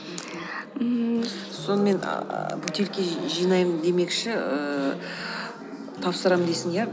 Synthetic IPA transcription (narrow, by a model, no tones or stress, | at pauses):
ə | so̞nəme̞n̰bʉt̪ʰe̞lkʲe̞ʒijnɑjmənd̪e̞me̞kʃɪə | t̪ʰɑpsəɾɑmd̪esɪŋjæ